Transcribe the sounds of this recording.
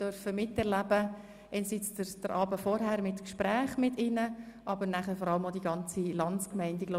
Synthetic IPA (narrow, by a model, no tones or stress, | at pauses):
d̥œɾfəmɪtːɛɾlæb̥ə | ʔɛɪnsit͡səd̥əɾʔɑːbəfɔɾɦæɾmɪtkʃpɾæːχmɪtɪnə | ʔɑbəɾnæχəɾfɔɾɑləmodiɡɑnt͡silɑnskmɛɪndiɡlo